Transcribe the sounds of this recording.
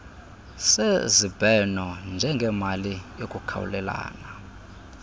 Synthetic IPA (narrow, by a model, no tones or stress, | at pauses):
sezib̥ʱɛnɔnd͡ʒʱɛŋɡʱɛmalijokʼukʰa̰wṵlɛla̰ːna